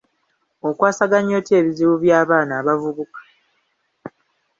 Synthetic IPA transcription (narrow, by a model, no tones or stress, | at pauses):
o̞kwaːsaɡaɲo̞ːtje̞ːβiziβuβjaːβaːnaːβavuβukḁ